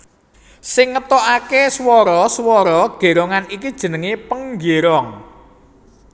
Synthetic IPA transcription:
sɪŋːət̪ɔʔakeswɔɾɔswɔɾɔɡ̥e̤ɾoŋanikid̥ʒ̥ə̤nəŋepəŋɡeɾɔŋ

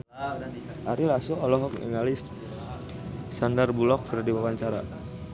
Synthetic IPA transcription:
ʔaɾilasuɔlɔɦɔkɛ̰ŋalis | sandarbulɔk̚fərdiwawaɲt͡ʃaɾa̰

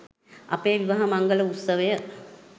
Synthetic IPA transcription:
a̰peːʋiʋaɦɐmaŋɡələut̪sːəʋəjə

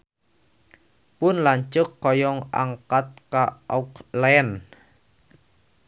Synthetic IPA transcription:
pʊnlaɲt͡ʃʊkːɔjɔŋa̰ŋkat̪̚kaɔklɛn

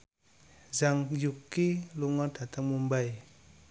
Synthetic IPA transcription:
zaŋjukiluŋɔrd̥at̪əŋmumbaj

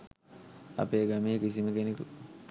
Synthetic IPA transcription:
a̰peːɡamiːkis̬iməkeneku

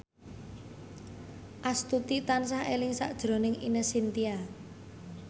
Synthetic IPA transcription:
ʔast̪ut̪it̪ansaɦelɪŋsa̰ʔd̥ʒ̥ɾo̤nɪŋḭnəsint̪ia

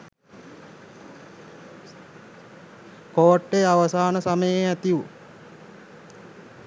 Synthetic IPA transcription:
koːʈːejaʋəsaːnəsaməjeæt̪iʋu

